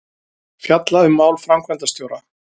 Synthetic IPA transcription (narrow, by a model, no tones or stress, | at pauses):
fjat̪laʏmːaːwlfɾamkʰvɛnt̪ast̪jowɾa